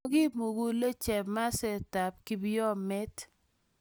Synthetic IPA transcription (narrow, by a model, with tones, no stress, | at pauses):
ɡi˦mu˨ɡu˦le˦t͡ʃɛ˨ma˦sɛ˦˨ta˨p̚ki˦bi˦jɔ˦mɛ˦t